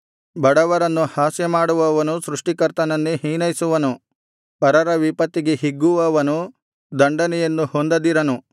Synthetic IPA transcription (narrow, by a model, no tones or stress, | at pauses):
bɐɽɐʋɐɾɐnːuhaːsjɐmaːɽuʋɐʋɐnusɾuʂʈikɐɾt̪ɐnɐnːeɦiːnɐjsuʋɐnu | pɐɾɐɾɐʋipɐt̪ːiɡeɦiɡːuʋɐʋɐnu | d̪ɐɳɖɐnɛjenːuhond̪ɐd̪iɾɐnu